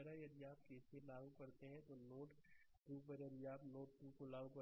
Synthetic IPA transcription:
ɾajɐd̪iaːp̚keːselaːɡukɐɾt̪eɦɛ̃t̪onoːʈ | ʈ̪uːpɐɾjɐd̪iaːpnoːʈ̚ʈ̪ũkolaːɡũkɐ

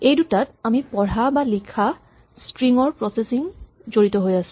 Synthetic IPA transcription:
ejdutatamipɔɹabalikʰa | stɹiŋɔɹpɹɔsesiŋ | zoɹitɔɦojasũ̥

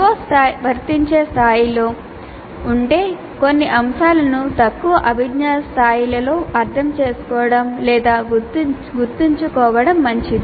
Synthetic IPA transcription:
oːst̪aːjbʱɐɾt̪iɲt͡ʃe̞ːst̪ʰaːjiloː | uɳʈe̞ː | ko̞nːiʔɐmʃaːlɐnut̪ɐkːuʋɐʔɐbʱiɡnaːst̪ʰaːjilɐlo̞ːʔɐɾt̪ʰɐmt͡ʃe̞ːsu̥kɔːɐɽɐmlɛːd̪aːɡu | ɡuɾt̪ːiɲt͡ʃukɔːʋɐɽɐmːɐɲt͡ʃid̪i

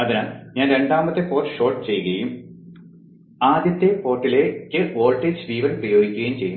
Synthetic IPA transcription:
ɐðinaɲaːnɾe̞ɳɖaːmɐt̪ːepoːʈːɨ̥ʂo̞ːʈːɨt͡ɕe̞jːɨɣɐjum | aːd̪jɐt̪ːepo̞ːʈːilekʲːɨo̞ːlʈːeːd͡ʑʋiːʋɐlprɐjo̞ːɡikʲːuɣɐjumt͡ɕe̞jːɨ

